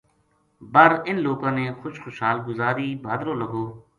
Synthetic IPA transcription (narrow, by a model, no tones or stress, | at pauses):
bəɾɪnloːkãːneːxʊʃxʊʃɦaːlɡʊzaːɾiːbʱaːd̪ɾõːləɡʱoː